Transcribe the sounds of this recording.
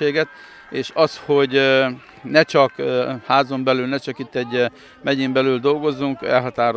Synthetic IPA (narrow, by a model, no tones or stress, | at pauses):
eːɡɛt̪ | eːʃɒshoɟ | nɛt͡ʃɒkhaːzo̞mbɛlylnɛt͡ʃɒkit̪ːɛɟ | mɛɟimbɛlyld̪o̞lɡo̞zːuŋkɛ̰lɦɒt̪aːɾ